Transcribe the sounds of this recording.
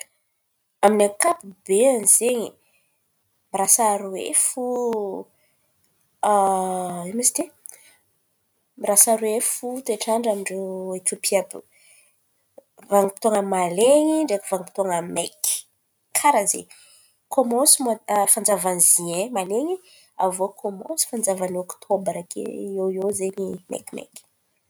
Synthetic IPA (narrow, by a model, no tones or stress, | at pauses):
aminakapubeanizeɲi | miɾasaɾuwḛfu | emist̪e | miɾasaɾuefut̪eʈ͡ʂaɳɖ͡ʐamiɳɖ͡ʐoet̪ʲopʰiabu | vaŋipit̪oŋəmaleɲiɳɖ͡ʐekuvaŋipi̥t̪oŋəmek | kʰaɾazḛ | kʰomosimafand͡zavanziemaleɲi | a̰vokʰomo̰si̥fand͡zavanɔkt̪ʰobɾakʰḛowjozeɲimḛkimḛk